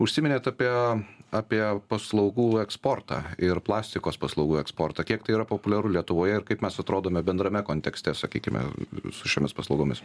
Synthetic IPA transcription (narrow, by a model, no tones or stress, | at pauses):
ʊʃʲsʲɪːmʲɪnʲeːt̪ɑːpʲiɛɑːpʲiɛpɐslˠɐʊɡuːɛkspoːrt̪ɑ̰ːɪɾplˠɑːsʲt̪ʲɪkoːspɐslˠɐʊɡuːɛkspoːɾt̪ɑːkʲiɛkt̪ɐɪiːɾɐpoːpʊlʲɛɾʊlʲiɛt̪ʊʋoːjɛɪɾkɐɪpmʲɛsɐt̪ɾoːd̪oːmʲɛbʲɛnd̪ɾɐmʲɛkoːnʲt̪ʲɛksʲt̪ʲɛsɐkʲiːkʲɪmʲʔʲɛ̰sʊʃʲɛmʲɪspɐslˠɐʊɡoːmʲɪs